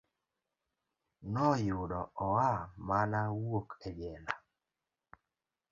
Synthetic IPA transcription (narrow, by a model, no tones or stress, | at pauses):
nɔjʊɗɔɔwamanawokɛd͡ʒɛla